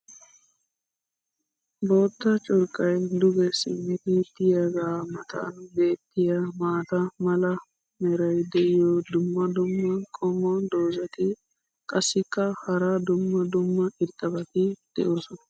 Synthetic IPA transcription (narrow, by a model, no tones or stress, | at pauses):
bo̞ːt̪ːɐt͡ʃʼɔɾkʼːɐjd̪ʊɡɛsɪ̰mːɪt̪ɪt̪ɪjɐɡaːmɐt̪ʰɐ̰nbe̞ːt̪ːɪjɐmaːt̪ɐmɐlɐ | mɛɾɐjd̪ɛʔɪjɔd̪ʊmːɐd̪ʊmːɐkʼɔmːɔnd̪o̞ːzɐt̪ɪ | kʼɐsːɪkːɐhɐɾad̪ʊmːɐd̪ʊmːɐʔɪɾt̪ʼːɐbɐt̪ɪd̪̥ɛ̰ʔɔsɔnɐ